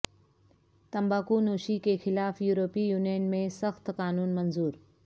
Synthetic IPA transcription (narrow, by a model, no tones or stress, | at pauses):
t̪ɐmbaːkunoːʃikexɪlaːfjuːɾoːpijuːnijənmẽsɐxt̪kaːnuːnmɐnzuːɾ